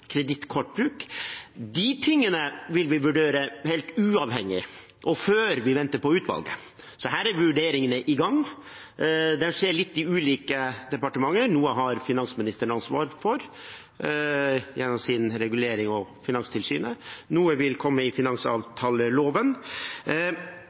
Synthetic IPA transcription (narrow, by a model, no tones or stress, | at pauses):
kʰɾɛd̪ɪt̪kʰɔʈ̚ːbɾʉːkd̪ɪt̪ʰɪŋːənəʋɪlʋɪʋʉɖeːɾəhɛɪlt̪ʉːɑʋhɛŋːɪ̰ | ʔɔføːɾʋɪʋɛnt̪əɾpɔʉːt̪ʋɑ̰lɡə̰ | sɔɦæːɾæɾʋʋʉɖeːɾɪŋənəʔɪɡɑŋ | d̪ɛnʂeːɭɪt̪ːɪʉːliːkəd̪ɛpɑʈəmɑŋːəɾnuːəɦɑɾfɪnɑnsmɪnɪst̪əɳɑnsʋɑ̰ːɾfɔɾ | jɛnːɔmsɪnɾɛɡʉleːɾɪŋɔfɪnɑŋst̪ʰɪlsyːnənuːəʋɪlkʰɔmːəɪfɪnɑŋsɑ̰ːʋt̪ʰɑːləloːʋən